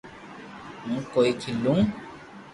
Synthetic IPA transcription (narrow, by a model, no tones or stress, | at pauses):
mũːkoikʰilːũ